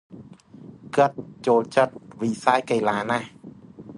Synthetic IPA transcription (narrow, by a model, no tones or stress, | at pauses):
kɨt̪̚t͡ɕoːlt͡ɕət̪̚ʋisaːjkajlaːnah